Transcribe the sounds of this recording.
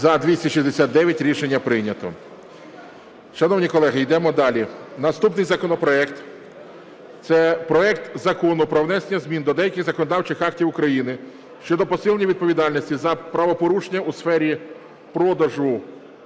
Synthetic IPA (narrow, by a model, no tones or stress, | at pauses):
zɐd̪ʋʲisʲɐʃʲizd̪esʲat̪̚d̪ɛʋʲjɐtʲɾʲiʃenʲːɐpɾɪnʲɐt̪ɔ | ʃɐnɔwnʲikɔlˠɛɦɪjd̪ɛmɔd̪ɑlʲinɐst̪upnɪjzɐkɔnɔpɾɔɛkt̪ | t̪sɛpɾɔɛk̚t̪zɐkɔnʊpɾɔwnɛsenʲɐzʲmʲind̪ɔd̪ɛjɐkʲɪɣzɐkɔnɔd̪ɑwt͡ʃɪxɑktʲiwʊkɾɐjinɪ | ʃt͡ʃɔd̪ɔpɔsɪlˠenʲiʋʲid̪̚pɔʋʲid̪ɑlʲnʲɔsʲtʲizɐpɾɐʋɔpɔɾuʃenʲːɐusfɛɾʲi | pɾɔd̪ɐʒʊ